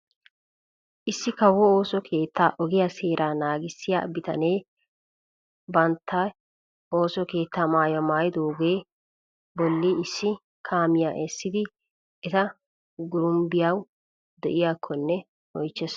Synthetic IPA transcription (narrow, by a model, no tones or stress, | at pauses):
ʔɪsːɪkɐwɔoːsɔkʰe̞ːt̪ʰːaːʔɔɡɪjase̞ːɾʔaːnaːɡɪsːɪja̰ːbɪt̪ɐ̰neː | bɐnt̪ʰːɐ | o̞ːsɔke̞ːt̪ːaːmaːjɔmaːjd̪oːɡe̞ː | bɔlːɪɪsːɪ | kʰaːmɪjaːʔɛsːɪd̪ɪ | ɛt̪ɐ | ɡʊɾʊmbɪjaw | d̪ɛʔɪjaːkʰːɔnːɛ | ɔjt͡ʃːɛs